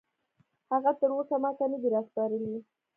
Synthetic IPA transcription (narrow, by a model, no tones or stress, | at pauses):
haɣat̪əɾosamɑt̪anad̪iɾɑspɑɾəli